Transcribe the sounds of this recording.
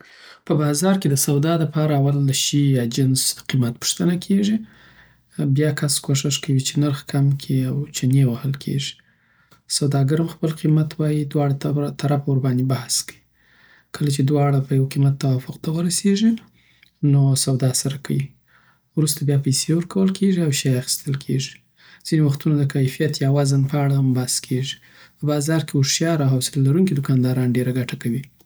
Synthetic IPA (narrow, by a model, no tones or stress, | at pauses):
pəbɑzɑɾked̪əsawd̪ɑd̪əpɑɾaːwald̪əʃijɑd͡ʒɪnzqimat̪̚pʊ̥ʂt̪ənakʰeʐi | bjɑkaskoʂɪʂkawit͡ʃenaɾxkʰamkʰiawt͡ʃanewahəlkʰḛʐi̥ | sawd̪ɑɡaɾəmxpəlqimat̪wɑjid̪wɑɽat̪ʰaɾafoɾbɑnd̪ebahskawi | kʰəlat͡ʃed̪wɑɽapəjawqimat̪ːawɑfʊqt̪awəɾaseʒi | nosawd̪ɑsaɾakawi | wɾust̪abjɑpajsewəɾkawəlkʰeʒiawʃajaxi̥st̪əlkʰeʒi | z̥inewaxt̪unod̪əkajfijat̪jawɑzənpəaɽaambaskʰeʒi̥ | pəbɑzɑɾkeʊʃjɑɾaɦawsɪlalːaɾuŋkid̪ʊkɑnd̪ɑɾɑnɖeɾaɡaʈakawi